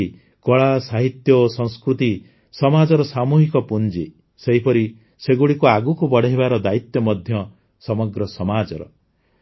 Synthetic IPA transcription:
kɔɭasaɦit̪jɔosɔ̃ŋskɾut̪i | sɔmad͡ʒɔɾɔsamuɦikɔpund͡ʒi | seɦipɔɾi | seɡuɭikuaɡukubɔɽeɦebaɾɔd̪ait̪jɔmɔd̪ʱjɔ | sɔmɔɡɾɔsɔmad͡ʒɔɾɔ̰

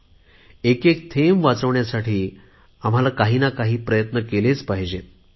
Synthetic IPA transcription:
ekekt̪ʰemʋat͡səʋɳjasaʈʰiː | am̤alakaɦiːnakaɦiːpɾəjət̪nəkelet͡spaɦid͡ʑe

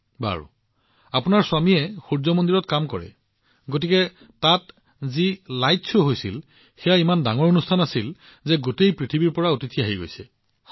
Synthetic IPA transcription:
ba̰ɹṵ | apunaɹswamiɛxuɹzɔmondiɹɔtkamkɔ̰ɹɛ̰ | ɡotikɛ | tat | zilajtsʰuɦojsil | xɛjaimandaŋɔɹonustʰanasil | zɛɡotejpɹitʰibiɹpɔɹaotitʰiaɦiɡo̰jsɛ

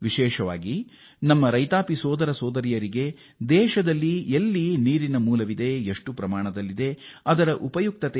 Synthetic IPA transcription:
ʋiʃɛːʃɐʋa̰ːɡi | nɐmːɐɾɐjt̪aːpisɔːd̪ɐɾɐsɔːd̪ɐɾijɐɾiɡe̞ | d̪ɛːʃɐd̪ɐlːielːiniːɾinɐmuːlɐʋid̪e̞eʂʈupɾɐmaːɳ̃ɐd̪ɐlːid̪e̞ɐd̪ɐɾɐʔupɐjuk̚t̪ɐt̪e

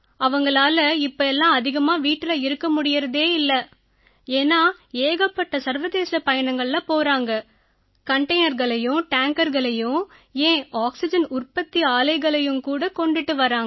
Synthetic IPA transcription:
ɐʋɐŋɡɐɭaːlɐɪpːɐɛlːãːɐðɪɣɐmaːʋiːʈːɪlɐɪɾɯkːɐmʊɽɪjɪɾɐðeːɪlːɐ | eːnːaː | eːɣɐpːɐʈːɐsɐɾʋɐðeːsɐpɐjɐɳɐŋɡɐɭlɐpoːɾaːŋɡɐ | kɐɳʈɐɪnɐɾɣɐɭɐjʊ̃ʈaːŋkɐɾɣɐɭɐjʊ̃ | ẽːaːksɪd͡ʒɐnʊrpɐt̪ːiaːlɐɪɣɐɭɐjɯmkuːɽɐkɔɳɖɪʈːɯʋɐɾaːŋ

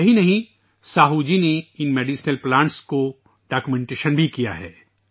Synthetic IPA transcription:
jɐɦinɐɦĩ | saːɦuːd͡ʒineɪnmeːɖiːsnəlplãːɳʈsko | ɖaːkumẽːɳʈeːʃənbʱikija̰ɦɛ̰ː

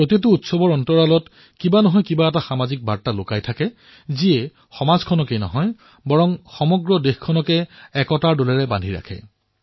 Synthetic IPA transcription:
ɹotit̬uːtsɔbɔɹɔntɔɹalɔt | kibanɔɦɔjkibaɛtaxamazik̚baɹtalokajtʰakɛ | ziɛ | xɔmazkʰɔnɔkejnɔ̰ɦɔj | bɔɹɔmxɔmɔɡɹɔdexkʰɔnɔkɛɛkɔtaɹdolɛɹɛba̰ndʱiɹa̰kʰɛ̰

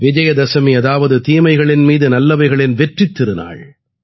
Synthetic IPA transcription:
ʋɪd͡ʒɐjɐd̪ɐsɐmiɐðaːʋɐðɯt̪iːmɐɪɣɐɭɪnmiːðɯnɐlːɐʋɐɪɣɐɭɪnʋɛʈrɪt̪ːɪɾɯna̰ːɭ

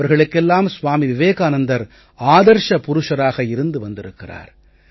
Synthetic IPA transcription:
ɐɾɣɐɭɯkːɛlːaːmsʋaːmiʋɪʋeːkaːnɐnd̪ɐɾ | aːðɐɾʂɐpʊɾʊʂɐɾaːɣɐɪɾɯnd̪ɯʋɐnd̪ɪɾɯkːɪra̰ːɾ

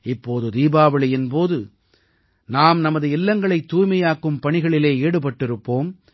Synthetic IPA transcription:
ɪpːoːðɯd̪iːbaːʋɐɭɪjɪnpoːðɯ | naːmnɐmɐðɯɪlːɐŋɡɐɭɐɪt̪ːuːjmɐjaːkɯmpɐɳɪɣɐɭɪleːeːɽɯpɐʈːɪɾɯpːoːm

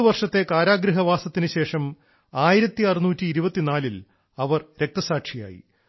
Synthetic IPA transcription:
ʋɐrʂɐt̪ːe̞kaːɾaːɡɾɨɦɐʋaːsɐt̪ːinɨɕe̞ːʂɐm | aːjiɾɐt̪ːiɐrunuːtːiːɾubɐt̪ːinaːlil | ɐʋɐrɾe̞k̚t̪ɐsaːkʂija̰ːjḭ

